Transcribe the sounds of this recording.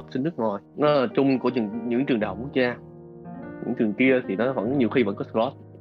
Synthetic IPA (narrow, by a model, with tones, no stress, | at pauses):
t̚si˨˧˦nɨ˦˥k̚ŋɔ˨˩jnɔ˨˦laː˨˩t͡ɕʊ˧ŋ͡mku˧˩əɲɨ̰˧˩ɲɨ̰˧˥ŋt͡ɕɨ˨˩əŋɗaː˨˩wku˦˥ək̚zaː˧ | ɲɨ̰˧˥ŋt͡ɕɨ˨˩əŋki˧ət̪ʰi˨˩nɔ˨˦və̰˧˥nɲi˨˩əwxi˧və̰˧˥nkɔ˨˦˥lɔ˦˥t̚